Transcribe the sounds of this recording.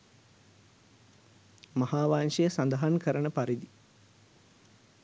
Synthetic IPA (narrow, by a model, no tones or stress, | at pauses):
mɐhaːʋaːnʃejəsand̪əɦankəɾənəpaɾid̪i